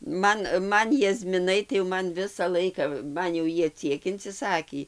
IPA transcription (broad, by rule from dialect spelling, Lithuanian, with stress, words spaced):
ˈmɐn ˈmɐn jɛzʲmʲɪˈnɐɪ tɐɪ joː ˈmɐn ˈʋʲɪsɐ lˠɐɪkɐ ˈmɐn jɛʊ ˈjiɛ ˈt͡sʲiɛk ɪnʲt͡sʲɪˈsɑːkʲiː